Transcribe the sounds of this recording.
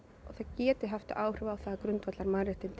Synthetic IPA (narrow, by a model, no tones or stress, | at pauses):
ɔθaðcɛːt̪ɪɦaft̪ɪʔaːwr̥ʏːvaawθaðkɾʏnt̪vɛt̪laɾmaɾɪht̪ɪnt̪